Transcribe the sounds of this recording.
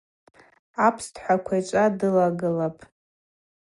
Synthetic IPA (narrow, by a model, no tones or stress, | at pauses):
apʰstʰħʷakʷʰajt͡ʃʷʼadɨlaɡɨlapʼ